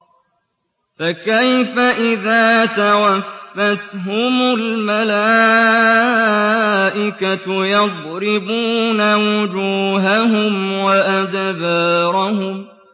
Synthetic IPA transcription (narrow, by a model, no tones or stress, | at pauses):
fakajfaʔɪðaːt̪awafːat̪ɦʊmʊlmalaː | ʔɪkajɑd̪ˤɾɪbuːnawʊd͡ʒuːɦaɦʊmwaʔad̪baːɾˤɑhʊm